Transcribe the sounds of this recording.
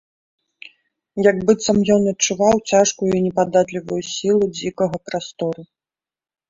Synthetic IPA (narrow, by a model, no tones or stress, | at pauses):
jɐɡbɨt̪sɐmjɔnɐt̪̚t͡ʂuvawt͡sʲaʂkujuinʲɛpad̪at̪lʲivujusʲilˠud͡zʲikɐɣɐpɾast̪ɔɾu